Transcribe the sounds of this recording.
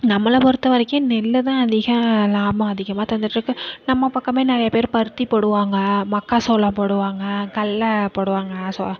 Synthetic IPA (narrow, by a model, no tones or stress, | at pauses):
nɐmːɐlɐpɔɾɯt̪ːɯʋɐɾɪkːɯ̃nɛlːɯt̪ãːɐðɪɣɐ̃laːmɐ̃ɐðɪɣɐmaːt̪ɐnd̪ɯʈːɾɯkːɯnɐmːɐpɐkːɐ̃meːnɪɾɐjɐpeːɾpɐɾɯt̪ːipɔɽɯʋaːŋɡɐmɐkːasɔlːɐ̃pɔɽɯʋaːŋɡɐkɐlːɐpoɽɯʋaːŋɡɐsɔ̰ɐ̃